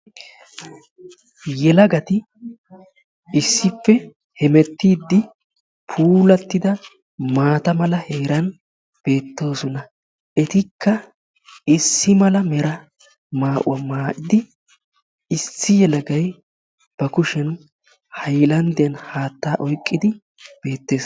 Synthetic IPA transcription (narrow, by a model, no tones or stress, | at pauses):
jɛlɐɡɐt̪ɪ | ɪsːɪpːɛ | hɛmɛt̪ːiːd̪ːɪ | pʰuːlɐt̪ːɪd̪ɐ | maːt̪ɐmɐlɐheːɾɐn | b̥e̞ːt̪ːo̞ːsɔnɐ | ʔɛt̪ɪkʰːɐ | ɪsːɪmɐlɐmɛɾɐ | maːʔʊ̰ɐmaːʔɪd̪ɪ | ɪsːɪjɛlɐɡɐj | b̥ɐkʊʃɛn | hɐjlɐnd̪ɛɐnhaːt̪ːaːʔɔjkʼːɪd̪ɪ | b̥e̞ːt̪ːe̞ːs